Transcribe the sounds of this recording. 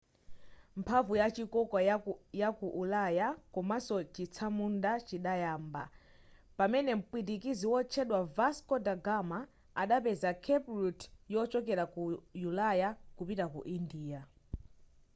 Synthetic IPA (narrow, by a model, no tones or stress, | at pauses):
mpʰavujat͡ʃikɔkajakuʔulajakɔmasɔt͡ʃit͡sʰamundat͡ʃiɗajaːmba̰ | pamɛnɛm̩pwit̬ikiziwɔt͡ʃʰɛɗwavaskɔdaɡama | aɗapɛzakʰɛpɾutjɔt͡ʃɔkɛɾakujulajakupitakṵʔindiːja